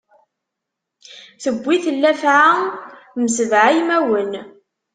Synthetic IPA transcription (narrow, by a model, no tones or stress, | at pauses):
θəbʷːiθəlːæfʕaməsəvʕajmæwən